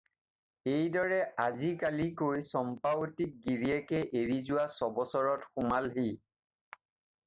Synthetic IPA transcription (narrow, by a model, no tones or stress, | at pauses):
ejdɔɹɛazikalikoɹjsɔmpaotik̚ɡiɹiɛkɛʔeɹizʊwasɔbɔsɔɹɔtxʊmalɦi